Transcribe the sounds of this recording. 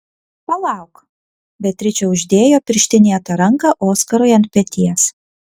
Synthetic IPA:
polˠɑˑʊk | bʲɛt̪ʲɾʲɪt͡ʃʲɛʊʒʲd̪ʲeːjoːpʲɪɾʲʃʲt̪ʲɪnʲiːɐt̪ɐɾɐŋkɐʔoːskɐɾʊɪɐnt̪̚ʲpʲɛt̪ʲiɛs

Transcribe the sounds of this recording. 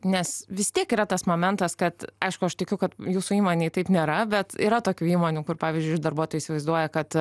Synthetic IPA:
nʲɛsʋʲɪst̪ʲiɛkiːɾɐt̪ɐsmoːmʲɛnt̪ɐskɐt̪ɐɪʃkʊɐʃt̪ʲɐɪkʲʊkɐt̪juːsuiːmoːnʲeɪt̪ɐɪpnʲeːɾɐbʲɛt̪ḭːɾɐt̪oːkʲuːiːmoːnʲuːkʊrpɑːʋʲiːzʲd͡ʒʊɪʊɪd̪ɐrbuɔt̪oːjʊisʲɪʋɐɪzd̪uɔjɛkɐt̪

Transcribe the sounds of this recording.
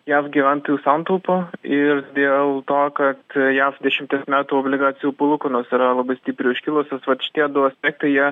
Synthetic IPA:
jæːfɡʲiːʋʲænt̪oːjuːsɑnt̪ɐʊpoɪrd̪ʲeːlˠt̪oːkɐt̪jæːfd̪ʲɛʃʲɪmʲt̪ʲiɛsmʲæːt̪uːoːbʲlʲɪɡɑːt͡sʲɪjuːpʊlˠʊkonoːsɪɾɐlˠɐbɐɪsʲt̪ʲiːpʲɾʲɪʊʃʲkʲɪlˠoːsnʲɛsʋɐt̪ʃʲɪ̥t̪ʲiɛd̪ʊɐsʲpʲɛːk̚t̪ɐɪjiɛ

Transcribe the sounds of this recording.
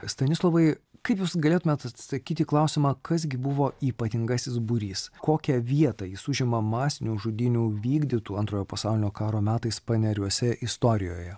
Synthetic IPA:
st̪ɐnʲɪslˠoʋɐɪkɐɪpjuːsɡɐlʲeːt̪ʊmʲeɛt̪ɐt̪sɐkʲiːt̪ʲiːklˠɐʊsʲɪmɑːkɐs̬ɡʲɪbʊʋoːiːpɐt̪ʲɪŋɡɐsʲɪs̬bʊɾʲiːskoːkʲɛʋʲiɛt̪ɐjɪsʊʒʲɪmɐmɑːsʲɪnʲuːʒʊd̪ʲɪnʲuːʋʲiːɡd̪ʲit̪uːɐnt̪ɾoːjoːpɐsɑˑʊlʲɪnʲoːkɑːɾoːmʲæːt̪ɐɪspɐnʲɛɾʲuɔsʲɛʔɪst̪oːɾʲɪjo̰ːjɛ

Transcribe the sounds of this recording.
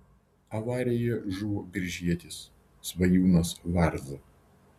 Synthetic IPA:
ɐʋɑːɾʲejɛʒuʋoːbʲɪɾʲʒʲiɛt̪ʲɪs | sʋɐjuːnosʋɑɾz

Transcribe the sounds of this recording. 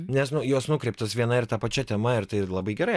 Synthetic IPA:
nʲɛsnʊjoːsnʊkɾʲɛɪpt̪ɐsʋʲiɛnɐɪɾt̪ɐpɐt͡ʃʲɛt̪ʲɛmɐɪɾt̪ɐɪlˠɐbɐɪɡʲɛɾɐɪ

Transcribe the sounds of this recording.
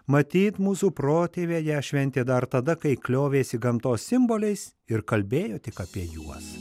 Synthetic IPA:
mɐt̪ʲiːt̪muːsupɾoːt̪ʲeːʋʲeːjɛʃʲʋʲɛnʲt̪ʲeːd̪ɐɾt̪ɐd̪ɐkɐɪklʲoːʋʲeːsʲɪɡɐmt̪oːssʲɪmboːlʲɛɪs | ɪɾkɐlʲbʲeːjoːt̪ʲɪkɐpʲiɛjuɔs

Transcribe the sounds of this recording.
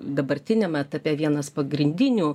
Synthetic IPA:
d̪ɐbɐɾʲt̪ʲɪnʲɛmɛt̪ɐpʲiɛʋʲiɛnɐspɐɡɾʲɪnʲd̪ʲɪnʲu

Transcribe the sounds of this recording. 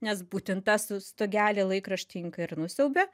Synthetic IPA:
nʲɛsbuːt̪ʲɪntt̪ɑsʊst̪oːɡʲæːlʲelˠɐɪkɾɐʃʲt̪ʲɪŋkɐɪrnʊsʲɛʊbʲe

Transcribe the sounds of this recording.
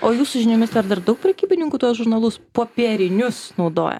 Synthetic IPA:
oːjuːsʊʒʲɪnʲoːmʲɪsd̪ɐɾd̪ɐrd̪ɐʊk̚pʲɾʲɛkʲiːbʲɪnʲɪŋkʊt̪uɔsʒʊɾnɐlˠʊspoːpʲiɛɾʲɪnʲʊsnɒʊd̪o̰ːjɛ̰

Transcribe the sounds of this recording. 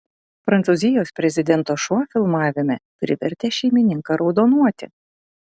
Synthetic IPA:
pɾɐnt̪sʊzʲɪjoːspʲɾʲɛzʲɪd̪ʲɛnt̪oːʃuɔfʲɪlˠmɑːʋʲɪmʲɛpʲɾʲɪʋʲɛɾʲt̪ʲɛʃʲɛɪmʲɪnʲɪŋkɐɾɒʊd̪oːnuɔt̪ʲɪ̰

